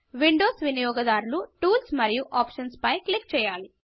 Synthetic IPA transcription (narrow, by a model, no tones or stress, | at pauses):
ʋiɳɖoːsʋinijɔːɡɐd̪aːɾuluʈuːlsmɐɾijuʔaːpʂɐnspɐjklik̚t͡ʃɛːjaːli